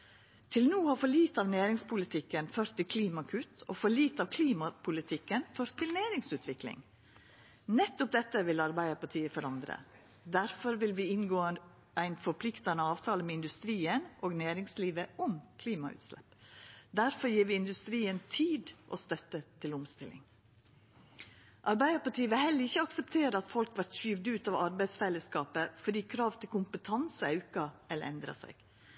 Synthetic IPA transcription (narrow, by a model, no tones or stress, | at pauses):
t̪ʰɪlnuːhɑːfɔɭiːt̪ɑːʋnæːɾɪŋspʰʊlɪt̪ʰɪkːənføɾt̪ʰːɪlkʰliːmɑkʰʉt̪oːfɔɭiːt̪ɑːʋkʰliːmɑpʰʊlɪt̪ʰɪkːənføːɾt̪ʰːɪlnæːɾɪŋsʉːt̪ʰʋɪklɪ̰ŋ | nɛt̪ːɔp̚d̪ɛt̪ːəʋɪlɑɾbæɪəpɑʈ̪ʰiːəfɔɾɑnd̪ɾə̰ | d̪æɾfɔɾʋɪlʋiːɪnɡoːənd̪ | æɪnfɔɾpʰlɪkt̪ɑnəɑːʋt̪ʰɑːləmɛɪnd̪ʉst̪ɾiːənʔoːɡnæːɾɪŋsliːʋəʔɔmkʰliːmɑʉ̰t̪slɛ̰pd̪æɾfɔɾjiːɾʋɪːɪnd̪ʉst̪ɾiːənt̪ʰiːd̪ʔo̰ːst̪œt̪ːət̪ʰɪlʊmst̪ɪlɪ̰ŋ | ʔɑɾbæɪd̪əpɑʈiːəʋɪlhɛlːəɾɪçəɑksəpt̪ʰeːɾəɑt̪fɔlkʋɑʈʃyʋd̪ʉːt̪ɑʋɑɾbæɪsfɛlːəskɑːpəfɔɖiːkʰɾɑːʋt̪ʰɪlkʊmpət̪ʰɑnsəɑʉkɑɛlɛ̰nd̪ɾɑ̰sæ̰ɪɡ̥